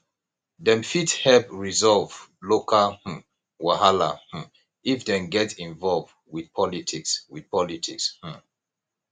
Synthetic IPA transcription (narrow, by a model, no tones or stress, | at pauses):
dɛ̃mfithɛpɹizɔlvlokʰah̩ | wahala̰h̩ | ifdɛ̃nɡɛtĩnvɔlvd | widpʰɔlitʰikswid̥pʰɔlitʰiksh̩